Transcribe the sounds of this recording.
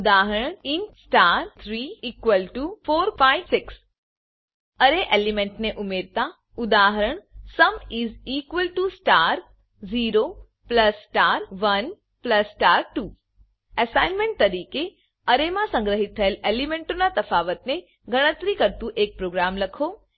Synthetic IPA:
ʊd̪aːɦəɾəɳɪnsʈaɾt̪ʰɾiːiːkʋəlʈufʰoːɾfaiʋsɪks | əɾeʔelimẽɳʈneʔʊmeɾt̪a | ʊd̪aːɦəɾəɳ̃səmiziːkʋəlʈusʈaːɾ | ziːɾo | pləsːʈaːɾʋən | pləsʈaːɾʈuː | əsaɪnmẽɳʈ̚t̪əɾiːke | əɾemãsə̃ŋɡɾəɦɪt̪̚ʰːəelelimẽɳʈonat̪ɐfaːʋət̪ne | ɡəɽ̃ət̪ɾikəɾt̪ũʔeːk̚pɾoːɡɾamləkʰo

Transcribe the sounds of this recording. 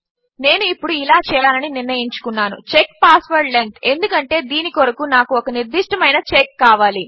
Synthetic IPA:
ne̞ːnuipːuɽuilaːt͡ʃɛːjɭaːlɐniniɾnɐjiɲt͡ʃu̥kunːaːnṵt͡ʃekpaːsʋɐɾɖleŋk̪e̞nd̪ukɐɳʈe̞ːd̪iːnikoɾɐkunaːkuɔkɐniɾd̪iʂʈɐmɐjnɐt͡ʃekːaːʋaːli

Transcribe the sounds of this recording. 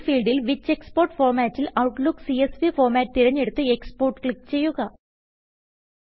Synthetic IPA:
fiːlɖilʋit͡ɕːekspoːrʈfoːrmaːtːilɐwʈlukːsiesʋifoːrmaːt̚t̪iɾɐɲːe̞ɽut̪ːɨekspoːrʈkɭikːt͡ɕe̞jːuɣɐ

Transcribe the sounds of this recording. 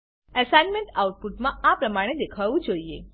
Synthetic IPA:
əsanmeɳʈauʈ̚puʈmãapɾəmaɽ̃ed̪ekʰaʋũd͡ʒoie

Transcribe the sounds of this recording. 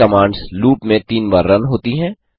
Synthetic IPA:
ɐmaːɳɖsluːpmẽt̪iːnbaːɾːɐnɦoːt̪iɦɛ̃ː

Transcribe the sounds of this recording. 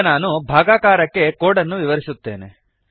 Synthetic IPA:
naːnubʱaːɡaːkaːɾɐkːe̞koːɽɐnːuʋiʋɐɾisut̪ːe̞̰ːne

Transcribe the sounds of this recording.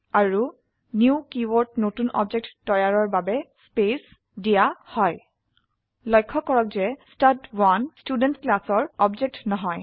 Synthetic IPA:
aɹu | njukiwɔɹtnotunɔ̰bd͡ʒek̚tːɔjaɹɔɹbabɛspes | dijahɔj | lɔjkʰːɔkɔɹɔk̚zɛstadwanstudɛntklasɔɹɔbd͡ʒek̚tnɔɦɔj

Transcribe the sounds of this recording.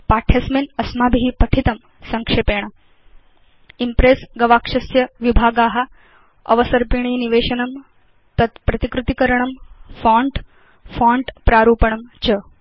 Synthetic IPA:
paːʈʰjɐsmenɐsmaːbiɦipɐʈʰit̪ɐm | sɐŋkʂeːpeːɳ̃ɐ | impɾeːsɡɐʋaːkʂɐsjɐʋibʱaːɡaːɦɐ | ɐ̰ʋɐsɐɾpiɳ̃iːniʋeːʃɐnɐm | t̪ɐt̪pɾɐt̪ikɾut̪ikɐɾɐɳɐmfãːɳʈ | fãːɳɖpɾaːɾuːpɐɳɐmt͡ʃɐ

